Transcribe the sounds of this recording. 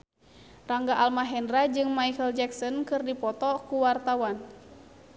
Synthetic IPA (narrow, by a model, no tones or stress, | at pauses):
raŋɡaʔalmaɦɛndɾad͡ʒɨŋmaikəld͡ʒɛksɔnkɨrdipɔt̪ɔkuwart̪awan